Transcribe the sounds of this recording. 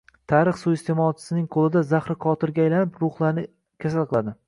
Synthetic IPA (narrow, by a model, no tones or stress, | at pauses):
t̪ʰaːɾɨχsuɪst̪ʰe̞mɒt͡ʃʰɪsɪnɪŋqʰolɪd̪azaχɾɪqʰɒt̪ʰɪɾɡʲaːjlanɪpɾʊχlˠaɾnɪ | kʲʰas̬alˠqɨlˠad̪ɪ